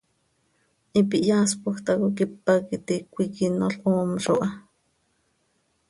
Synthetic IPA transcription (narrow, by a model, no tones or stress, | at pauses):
ʔipiʔjaːspuxt̪akokipːakit̪ikʷikinoɬʔoːmʃoʔɑ